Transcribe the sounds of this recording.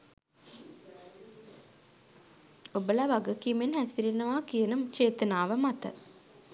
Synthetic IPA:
obəlaʋaɡəkimenɦæsiɾenəʋaːkijənət͡ʃeːt̪ənaːʋəmat̪ə̰

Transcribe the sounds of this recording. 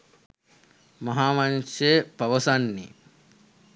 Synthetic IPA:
mɐɦaːmanʃepɐʋəsanːḭ

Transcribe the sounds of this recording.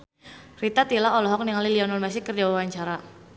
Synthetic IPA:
rit̪at̪ilaɔlɔɦɔk̚niŋaliliɔnɔlmasɪkərd͡ʒawawaɲt͡ʃaɾa

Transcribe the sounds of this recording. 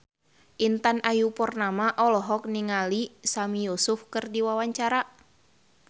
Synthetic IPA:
ʔint̪anajupɔrnamaʔɔlɔɦɔk̚niŋalisamijusʊfkərdiwawaɲt͡ʃaɾa

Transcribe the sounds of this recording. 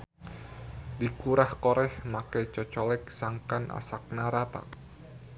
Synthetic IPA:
dikuɾahkɔɾɛhmakɛt͡ʃɔt͡ʃɔlɛk̚saŋkanʔa̰sak̚naɾat̪a̰k̚

